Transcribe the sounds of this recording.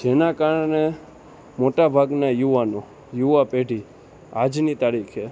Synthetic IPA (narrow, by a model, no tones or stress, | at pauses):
d͡ʒenakaɾɳe | moʈabʱaɡnajuʋano | juapeɖʱi | ad͡ʒnit̪aɾikʰe